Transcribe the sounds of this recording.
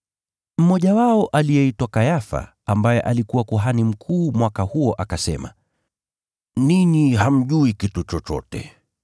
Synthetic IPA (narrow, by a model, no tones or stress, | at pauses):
m̩mɔʄawaɔʔalijɛitwakajafa̰ | ambajɛʔalikuwakuɦanim̩kʰuːmwakahuɔʔakasɛ̰ma̰ | niniham̩ʄuikitut͡ʃɔt͡ʃɔ̰tɛ̰